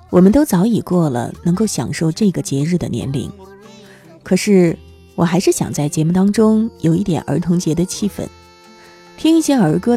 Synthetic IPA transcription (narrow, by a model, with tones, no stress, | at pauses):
wɔ˨˩mə˦nt̪o˥ʊt͡sɑ˧˥ʊi˨˩kwɔ˥˩lə̰˩nɤ˧˥ŋko˥˩ʊɕjɑ̰˨˩ŋʂo˥˧ʊʈ͡ʂɤ˥˩ɡə˩t͡ɕjɛ˧˥ɻ̩˥˩d̪ə̰˩njɛ̰˧˥nlḭ˧˥˦ŋ | kʰɤ˨˩ʂɻ̩˥˩ | wɔ˨˩xa˧˥ɪʂɻ̩˥˩ɕjɑ̰˨˩ŋt͡sa˥˩ɪt͡ɕjɛ˧˥mu˥˩t̪ɑ˥ŋʈ͡ʂʊ˥ŋjo˨˩ʊi˥˩t̪jɛ̰˨˩nʔə̰˞˧˥t̪ʰʊ˧˥ŋt͡ɕjɛ˧˥d̪ə˧t͡ɕʰi˥˩fə̰˧˩˦n | t̪ʰi˥ŋi˥˩ɕjɛ˥ə˞˧˥kɤ˥